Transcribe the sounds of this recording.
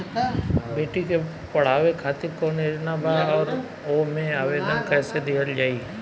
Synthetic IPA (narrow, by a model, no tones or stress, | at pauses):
beːʈike | pɐɽ̤aːʋekʰaːt̪ɪɾkoneːɾnabʱaɔːɾ | omẽaːʋeːd̪ənkɛːsed̪eəld͡ʒaːi